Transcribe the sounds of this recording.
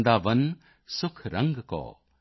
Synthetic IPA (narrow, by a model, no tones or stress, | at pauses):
nd̪aːʋɐn | sʊkʰɾɐŋɡkɔ̰ː